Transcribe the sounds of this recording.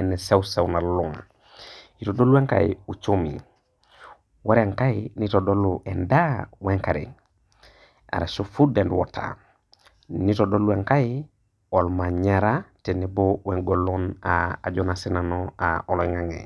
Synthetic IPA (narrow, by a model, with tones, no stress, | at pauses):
ɛ˨ne˨se˦use˨wna˨lu˨ŋ | i˨todo˦lu˦e˦ŋka̰˨ḭu˨t͡ʃomḭ˨ | wa˦ɾiaŋka˦initodo˦luʔɛ˨nda˦we˦ŋka˨ɾḛ˨ | a̰˨ɾa˨su˦fu˦de˨ndwɔ̰tʰa̰ | ni˦todo˦lueŋka˦i | o˨lma˨ɲaɾatenibowe˨ŋɡo˨lɔna̰ː˨d͡ʒonasi˦nanɔaɔ˨lɔ˨ŋaŋḛ˨